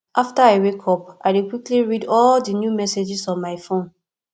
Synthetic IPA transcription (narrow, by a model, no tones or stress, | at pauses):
ʔaftaaɪwekʰɔp̚ʔaɪdikwikliɹidɔldənjumɛsed͡ʒisɔ̃nmaɪfõn